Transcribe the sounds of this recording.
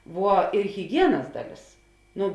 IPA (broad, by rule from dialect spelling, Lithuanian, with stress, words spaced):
ˈʋuɔ ɪr ɣʲɪˈɡʲiɛnɐs ˈdɑːˌlʲeːs ˈnʊ